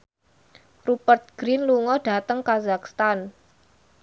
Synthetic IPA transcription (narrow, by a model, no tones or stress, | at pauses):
rupərt̪̚ɡ̥ɾinluŋɔɖ̥a̤t̪əŋkazak̚st̪an